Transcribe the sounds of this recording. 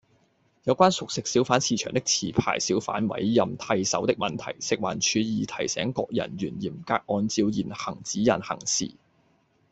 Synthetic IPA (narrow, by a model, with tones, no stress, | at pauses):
jɐ˨˧wkʷaː˥nsʊ˨k̚sɪ˨k̚siː˨˥wfaː˨˥nsiː˧t͡ʃʰœ̰ː˨˩ŋt̪ɪ˥k̚t͡sʰiː˨˩pʰa̰ː˨˩jsiː˨˥wfa̰ː˨˥nwɐ̰˨˥jːɐ˨mt̪ʰɐ˧jsɐ˨˥wt̪ɪ˥k̚mɐ˨nt̪ʰɐ̰˨˩jsɪ˨k̚waː˨˩nt͡ʃʰyː˨˧jiː˨t̪ʰɐ˨˩jsɛ̰ː˨˥ŋkɔː˧k̚jɐ̰˨˩nɥyː˨˩njiː˨˩mkaː˧k̚ʔɔː˧nt͡siː˧wjiː˨˩nhɐ˨˩ŋt͡siː˨˥jɐ̰˨˩nhɐ̰˨˩ŋsḭː˨˩